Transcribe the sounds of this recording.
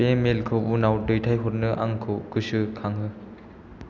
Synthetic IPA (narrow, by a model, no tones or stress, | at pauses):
emelkʰɯwbunawdɯjtʰajɦɔt̚nɯʔaŋkʰɯwkʰɯsɯkʰaŋɦɯ